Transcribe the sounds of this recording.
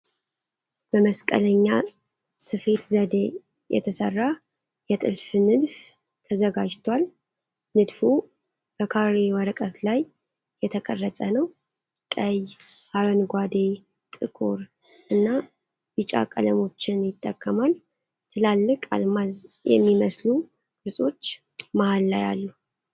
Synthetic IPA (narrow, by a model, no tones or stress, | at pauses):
b̥əməskʼə̰ləɲːa | sɨfe̞t̪zəd̪e | jɛ̰t̪ʰəsərːa | jɛt̪ʼɨ̰lfɨnɨd̪f | t̪ʰəzəɡad͡ʒt̪ʰwal | nɨd̪fu | b̥əkʰaɾewɔɾəkʼət̪lajː | ɛt̪ʰəkʼərːəsʼənəw | kʼəjhaɾənɡʷad̪e̞ | t̪ʼɨkʼuɾ | ʔɨnːa | bɨt͡ʃʼa̰kʼə̰ləmo̞t͡ʃːɪnjɪt̪ʼːəkʼːəmal | t̪ʰɨlalːɨkʼa̰lmazjɛ̰mːiməslu | kʼɨɾsʼo̞t͡ʃː | mahalːaja̰lːu